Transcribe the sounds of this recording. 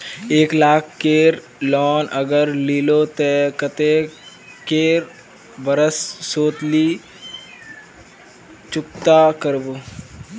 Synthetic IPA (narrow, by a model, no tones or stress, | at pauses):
eːklaːkʰkeːɾ | lɔːnʔəɡəɾliːlot̪ekət̪e | keːɾ | bəɾəsːoːt̪liː | t͡ʃʊk̚t̪akəɾboː